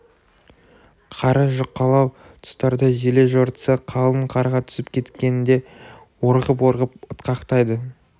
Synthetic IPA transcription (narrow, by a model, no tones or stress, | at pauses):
qʰɑɾəʒʊqːɑlˠɑw | t̪ʰʊ̥st̪ɑɾd̪əʒele̞ʒoɾt̪ə̥səqʰɑlˠəɴqʰɑɾʁɑt̪ʰʏ̥sɪpkʲʰe̞t̪kʲe̞nɪnd̪e̞ | woɾʁəp̬woɾʁəpʊt̪qɑqt̪ɑjd̪ə